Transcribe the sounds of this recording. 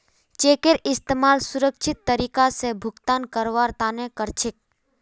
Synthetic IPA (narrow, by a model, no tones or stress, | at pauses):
t͡ʃeːkeɾɪst̪eːmaːlsʊɾəkʃʰɪt̪ːəɾiːkasebʱʊkt̪aːnkəɾʋaːɾt̪aːnẽkəɾt͡ʃʰɪk̚